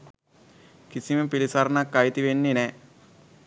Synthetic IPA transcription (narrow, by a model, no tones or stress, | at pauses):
kisimepilisaɾnakːajt̪iʋenːine